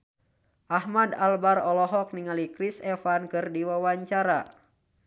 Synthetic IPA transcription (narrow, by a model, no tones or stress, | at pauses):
ʔahmadalbarɔlɔɦɔk̚niŋalikɾisɛfankɨrdiwawaɲt͡ʃaɾa